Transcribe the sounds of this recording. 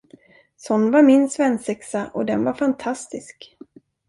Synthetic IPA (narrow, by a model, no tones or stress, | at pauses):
sɔnːvaɾmɪnsvɛnsɛksaʔɔd̪ɛnvaɾfant̪ʰast̪ɪsk